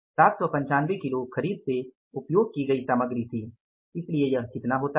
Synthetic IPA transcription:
saːt̪sɔpɐ̃ɲt͡ʃaːnʋekɪlokʰɐɾiːd̪̚se | ʊpjoːɡ̚kiɡɐisaːməɡɾit̪ʰiː | ɪsliejɐɦkɪt̪naɦoːt̪a

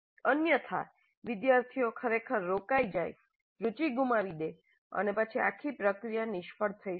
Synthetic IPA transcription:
ənjət̪ʰa̰ | ʋɪd̪jaɾt̪ʰijokʰəɾekʰəɾːokajd͡ʒaj | ɾut͡ʃiɡumaʋid̪e | ə̰nepat͡ʃʰia̰kʰipɾəkɾijanɪʃpəɽt̪ʰəi

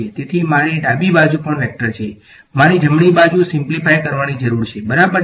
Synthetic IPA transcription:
et̪et̪ʰimaɾiɖabibad͡ʒupəɳʋɛk̚ʈəɾt͡ʃʰe | maɾid͡ʒʱəmɳibad͡ʒusɪmplifajkəɾʋanid͡ʒəɾuɾt͡ʃʰebəɾabəɾ

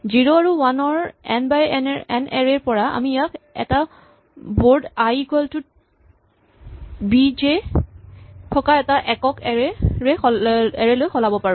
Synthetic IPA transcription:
ziɹoaɹuwanɔɹɛ̰nbajɛ̰nɛɹɛɹpɔɹaa̰mijakɛ̰ta | boɹdajɡɔltʊt̚ | bid͡ʒe | tʰɔkaɛtaʔɛkɔkɛɹɛɹɛxɛɹɛlojxɔlabɔpaɹũm

